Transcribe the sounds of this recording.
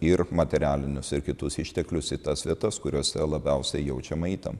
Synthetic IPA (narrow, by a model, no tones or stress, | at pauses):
ɪɾmɐt̪ʲɛɾʲæːlʲɪnʲʊsɪɾkʲɪt̪ʊsɪʃʲt̪ʲɛklʲʊsit̪ɐsʋʲiɛt̪ɐskʊɾʲoːsʲɛlˠɐbʲɛʊsʲɛɪjɛʊt͡ʃʲɛmɐiːt̪ɐ̰m